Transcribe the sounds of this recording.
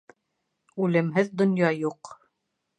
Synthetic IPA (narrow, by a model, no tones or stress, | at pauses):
ʉlɘ̆mɦɘðd̪ŏnjɑjuq